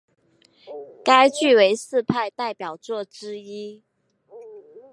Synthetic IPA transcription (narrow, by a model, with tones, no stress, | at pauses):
ka˥ɪt͡ɕy˥˩we˧˥ɪsɹ̩˥˧pʰa˥˧ɪt̪a˥˩ɪpjɑ˨˩ʊt͡swɔ˥˩ʈ͡ʂɻ̩˥i˥